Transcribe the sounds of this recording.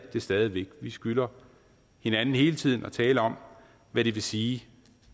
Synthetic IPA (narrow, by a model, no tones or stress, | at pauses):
d̥e̝sd̥ɛːð̞ˠiʋeɡ̥ʋisɡ̥ylɐ | he̝nænn̩he̝ːlət͡sʰið̰ˠn̩ɒ̽t͡sʰɛːləɒ̽m | ʋæɾ̥e̝ʋe̝siː